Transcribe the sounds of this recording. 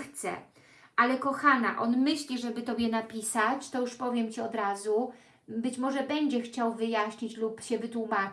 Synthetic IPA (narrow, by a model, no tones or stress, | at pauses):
xt̪sɛ̰ | alɛkɔxana̰ʔɔnmɘɕlʲiʐɛbɘt̪ɔbʲjɛnapʲisat͡ɕt̪ɔjuʂpɔvʲjɛmt͡ɕiɔd̪ɾazu | bɘt͡ɕmɔʐɛbɛɲd͡ʑɛxt͡ɕawvɘjaɕɲit͡ɕlupɕɛvɘt̪wuma